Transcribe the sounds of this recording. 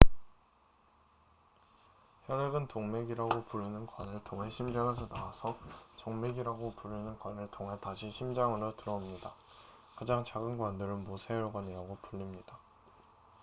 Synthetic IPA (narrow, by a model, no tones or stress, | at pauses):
çjʌɾeɡɯntoŋme̞ɡiɾaɡopuɭːinɯnkwʌnɯɭtoŋeɕʰimd͡ʑaŋesʰʌnawasʰʌt͡ɕoŋme̞ɡiɾaɡopuɭːinɯnkwʌnɯɭtoŋɦetaɕʰiɕʰimd͡ʑaŋɯɾotɯɾʌmɲida | kad͡ʑaŋt͡ɕaɡɯnɡwandɯɾɯnmosʰejoɭɡwaɲiɾaɡopuʎːimɲida